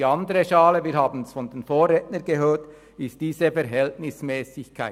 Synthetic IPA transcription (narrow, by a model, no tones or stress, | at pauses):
iɑndəʁəʃɑːləviːhaːbn̩ɛsfɔnd̥eːnfoːʁɛtnənɡəɦøːt | ɪst̚d̥iːzəfɛɾɦɛltnɪsmɛːsɪçkʰaɪ